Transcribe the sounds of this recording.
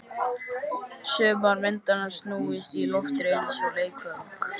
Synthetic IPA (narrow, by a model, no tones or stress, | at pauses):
sʏːmaɾmɪnt̪anḁst̪nuːɪst̪ilɔft̪ɾensɔleːjkʰʏ